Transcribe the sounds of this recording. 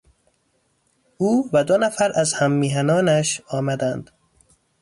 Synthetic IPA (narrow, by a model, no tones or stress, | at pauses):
uːvæd̪onæfæɾʔæzhæmːiːɦænɒːnæʃɒːmæd̪ænd̪̥